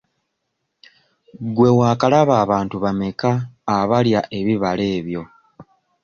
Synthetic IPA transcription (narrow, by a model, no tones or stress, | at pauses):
ɡwe̞waːkalaβaːβaːntuβame̞kaːβaljaʔe̞βiβale̞ːβjo̞